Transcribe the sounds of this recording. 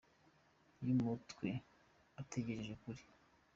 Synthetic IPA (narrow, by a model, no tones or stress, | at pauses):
jimutɡwe | ateɟe̞ɾeʒekuɾi